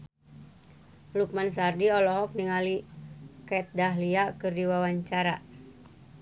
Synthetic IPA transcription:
luk̚mansardiɔlɔɦɔk̚niŋalikɛt̪̚daɦliakɨrdiwawaɲt͡ʃaɾa

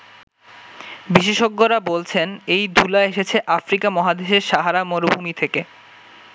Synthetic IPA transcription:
biʃeʃoɡːoɾabolt͡ɕʰenejd̪ʱulaeʃet͡ɕʰeʔafɾikamɔɦad̪eʃeɾʃaɦaɾamoɾobʱumit̪ʰeke

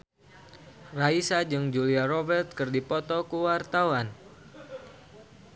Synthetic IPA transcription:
raisad͡ʒɨŋd͡ʒuliarɔbɛrt̪̚kɨrdipɔt̪ɔkuwart̪awan

